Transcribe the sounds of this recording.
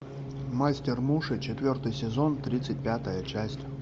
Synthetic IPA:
masʲtʲɪrmuʂɨt͡ɕɪt̪vʲo̞rt̪ɨjsʲɪzo̞nt̪ɾʲit̪sɨt̚ʲpʲat̪əjət͡ɕæsʲtʲ

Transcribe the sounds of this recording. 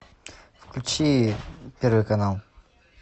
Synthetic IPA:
fklʲʉt͡ɕipʲeɾvɨjkɐnalˠ

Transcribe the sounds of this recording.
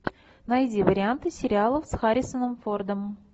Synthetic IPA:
najdʲivəɾʲɪant̪ɨsʲɪɾʲɪalˠəfsxaɾʲɪsənəmford̪əm

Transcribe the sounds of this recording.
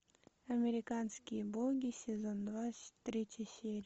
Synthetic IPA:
ɐmʲɪɾʲɪkanskʲɪjəbˠoɡʲisʲɪzond̪vat̪ɾʲit͡ɕʲɪsʲeɾʲ

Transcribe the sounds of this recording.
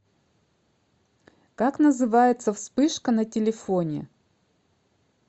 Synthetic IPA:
kaknəzɨvajɪt̪səfspɨʂkənɐtʲɪlʲɪfonʲɪ̰

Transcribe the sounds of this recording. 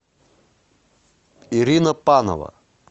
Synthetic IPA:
iɾinɐpano̰vɐ̰

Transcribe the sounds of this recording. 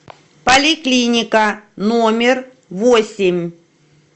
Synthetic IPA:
pɐlʲɪklʲinʲɪkənomʲɪr | vosʲɪmʲ

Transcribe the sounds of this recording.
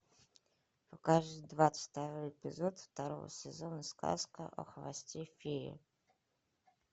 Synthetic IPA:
pakaʐd̪ɨd̪vat̪sɨ̥t̪aɾojɛpʲɪzot̪ft̪aɾo̰və̰sʲɛzonɨska̰skə̰ʔɐ̰xəvasʲtʲefʲiɾʲɪ̰

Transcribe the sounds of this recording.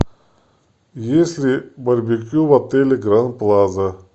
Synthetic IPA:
jesʲlʲɪbɐɾʲbʲikʲjuvɐt̪elʲɪɡɾanplˠazə

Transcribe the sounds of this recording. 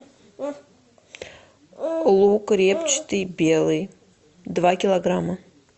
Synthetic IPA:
lˠukrʲept͡ʃt̪ɨjbʲelˠɨj | d̪vakʲilˠɐɡramɐ

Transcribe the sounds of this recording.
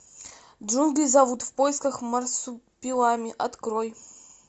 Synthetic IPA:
ʐunɡʲɨzavut̪vpɔjskɐxmɐrsupʲilˠamʲiʔat̪kɾoj

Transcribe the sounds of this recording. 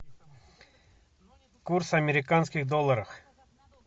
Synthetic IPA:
kursɐmʲɪɾʲɪkanskʲɪxd̪olˠːəɾəf

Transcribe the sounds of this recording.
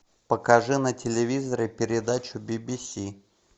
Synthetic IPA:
pəkɐʐɨnətʲɪlʲɪvʲizəɾɨpʲɪɾʲɪd̪at͡ɕʊbʲɪbʲisʲi

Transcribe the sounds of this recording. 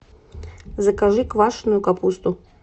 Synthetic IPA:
zɐkaʐɨkvaʂnʊjʊkapust̪ʊ

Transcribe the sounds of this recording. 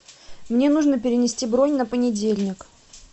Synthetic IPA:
mnʲe̞nuʐnəpʲɪɾʲɪnʲɪsʲtʲibɾonʲnəpənʲɪdʲelʲnʲɪk

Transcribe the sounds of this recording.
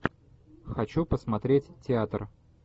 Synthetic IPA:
xɐt͡ɕupəsmɐt̪ɾʲetʲtʲɪat̪r

